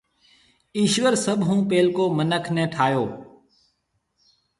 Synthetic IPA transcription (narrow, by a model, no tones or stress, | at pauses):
iːʃʋəɾsəbʱɦũːpeːlkoːmənəkʰnɛ̃ːʈʰaːjoː